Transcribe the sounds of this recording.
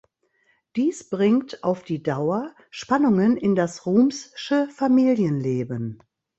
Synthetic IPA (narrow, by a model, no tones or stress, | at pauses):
d̥iːsb̥ʁɪŋtaʊfd̥iːdaʊɐ | ʃpanʊŋənɪndasʁuːmsʃəfamiːljənleːbən